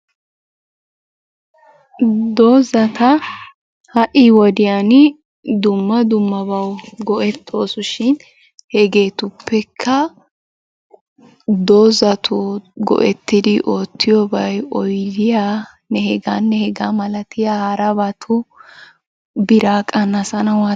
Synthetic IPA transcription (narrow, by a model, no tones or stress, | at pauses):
d̪oːzɐt̪ʰɐ | hɐʔɪwɔd̪ɪjanɪ | d̪ʊmːɐd̪ʊmːɐbɐwɡɔʔɛt̪ʰːo̞ːsʊʃɪn | hɛɡe̞ːt̪ʊpːɛkʰːɐ | d̪oːzɐt̪ʰʊɡɔ̰ʔɛt̪ːɪd̪ɪʔo̞ːt̪ʰːɪjobɐjɔjd̪ɪja | nɛhɛɡanːɛhɛɡamɐlɐt̪ɪjaːhɐɾɐbɐt̪ʰʊ | bɪɾaːkʼɐnɐsɐnɐwa